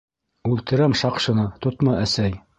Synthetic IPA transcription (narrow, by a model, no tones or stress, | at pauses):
ʉlt̪ɘ̆ɾæmʃɑqʃɤ̆nɤt̪ŏt̪mɤʔæsæj